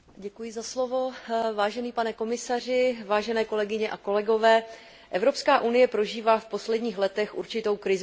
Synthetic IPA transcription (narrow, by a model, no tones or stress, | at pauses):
ɟɛkujɪzaslo̞vo̞vaːʒɛniːpanɛko̞mɪsar̝ɪvaːʒɛnɛːko̞lɛɡɪɲɛʔako̞lɛɡo̞vɛː | ʔɛvɾo̞pskaːʔunɪjɛpɾo̞ʒiːvaːfpo̞slɛdɲiːxlɛt̪ɛxʔṵɾt͡ʃɪt̪o̞wkɾɪz